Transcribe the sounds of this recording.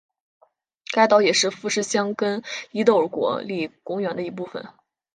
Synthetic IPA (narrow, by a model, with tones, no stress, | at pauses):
ka˥˩ɪt̪ɑ˧˥ʊjɛ˨˩ʂɻ̩˥˧fu˥˧ʂɻ̩˥˩ɕjɑ˥ŋkə˥ni˧˥t̪o˥˩ʊ˧˥kwɔ̰˨˥˦li˥˩kʊ˥ŋɥɛ˧˥nd̪ə˧i˧˥p̬u˥˩fə̰˩n